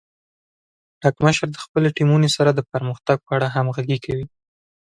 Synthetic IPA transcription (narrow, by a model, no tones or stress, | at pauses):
ɖɑkməʃɾd̪əxpəleʈimunesaɾad̪əpəɾməxt̪aɡ̚pəaɽaɦamɣaɡekʰawi